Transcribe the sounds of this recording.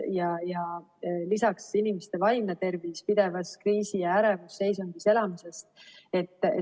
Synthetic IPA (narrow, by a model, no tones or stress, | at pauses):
jɑjɑ | lisɑksinimest̪e̞vɑjmnet̪e̞rviːspid̪̥e̞vɑskriːsijɑæɾevusːe̞js̬oŋɡ̪̥ise̞lɑmise̞st̪e̞t̪ːˑ